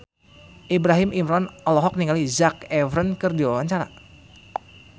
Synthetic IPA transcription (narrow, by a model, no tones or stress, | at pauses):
ʔibɾaɦɪmimɾɔnɔlɔɦɔk̚niŋalizakɛvɾənkɨrdiwawaɲt͡ʃaɾa̰